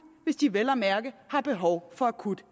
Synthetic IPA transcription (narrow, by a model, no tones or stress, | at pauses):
ʋe̝sd̥iʋelæmæɐɡ̥əhɑ̈b̥e̝ɦɒʊfɒ̽ækʰud̥